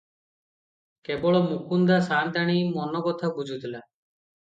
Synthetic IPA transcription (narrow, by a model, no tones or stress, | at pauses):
kebɔɭɔmukund̪asant̪aɽ̃imɔnɔkɔt̪ʰabud͡ʒʱut̪ʰila